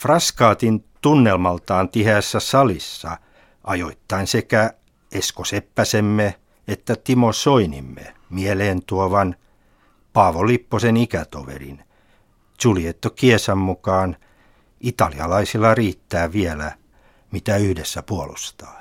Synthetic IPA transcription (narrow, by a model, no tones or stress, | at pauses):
frɑskɑːt̪int̪unːelmɑlt̪ɑːnt̪ihæːsːæsɑlisːɑ̰ | ʔɑjoit̪ːɑinsekæ | eskosepːæsemːe | et̪ːæt̪imosoinḭmːḛmieleːnt̪uoʋɑn | pɑːʋolipːosenikæt̪o̰ʋḛrḭn | suliet̪ːokiesæmmukɑːn | it̪ɑliɑlɑisilːɑriːt̪ːæːʋielæ̰ | mit̪æyhdesːæpuolṵst̪ɑ̥ː